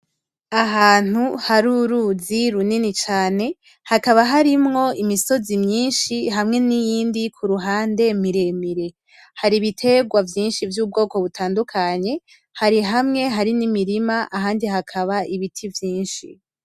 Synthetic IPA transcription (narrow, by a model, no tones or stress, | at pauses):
aɦaːn̥huhaɾuɾuːziɾuninit͡ʃaːne̞ | hakaβaɦaɾimŋo̞imiso̞zimɲiːnʃiɦamŋe̞nijiːndikʰuɾuɦaːnde̞miɾe̞miɾe̞ | haɾiβitʰe̞ɡwavjiːnʃivjuːb̚ɡo̞ːko̞βutʰaːndukʰaɲe̞ | haɾiɦamŋe̞ɦaɾinimiɾimaʔaɦaːndihakʰaβaʔiβitʰivjiːnʃḭ